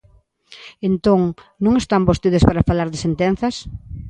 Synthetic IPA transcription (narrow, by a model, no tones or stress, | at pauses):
ent̪oŋ | nõŋest̪ambost̪iðespaɾafalaɾðesent̪enθɐs